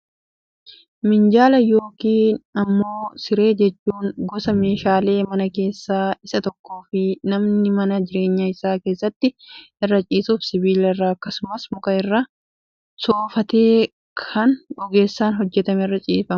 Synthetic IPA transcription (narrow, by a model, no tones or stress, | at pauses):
mɪnd͡ʒaːlɐjoːkiːnɐmːo̞ːsɪɾe̞ːd͡ʒɛt͡ʃːuːŋɡɔsɐme̞ːʃaːle̞ːmɐnɐke̞ːsːaːɪsɐt̪ɔkːo̞ːfɪnɐmnɪmɐnɐd͡ʒɪɾe̞ːɲːɐɪsaːke̞ːsːɐt̪ːɪʔɪrːɐt͡ʃʼiːsuːfsɪbiːlɐɪrːɐɐkːɐsʊmɐsmʊkɐɪrːɐ | soːfɐt̪eː | kʰɐnɔɡe̞ːsːaːnɦɔd͡ʒːɛt̪ɐmɛrːɐt͡ʃʼḭːfɐm